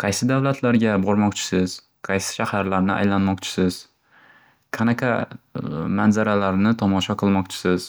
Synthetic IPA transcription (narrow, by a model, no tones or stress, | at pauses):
qʰɑjsɪd̪awlat̪ʰlaɾɡʲabɒɾmɒqt͡ʃʰɪ̥sɪz̥ | qʰɑjsɪ̥ʃahaɾlaɾnɪʔa̰jlanmɒqt͡ʃʰɪ̥sɪz̥ | qʰɑnakʰa | manzaɾalaɾnɪt̪ʰɒmɒʃɒqʰɨlˠmɒqt͡ʃʰɪ̥sɪz̥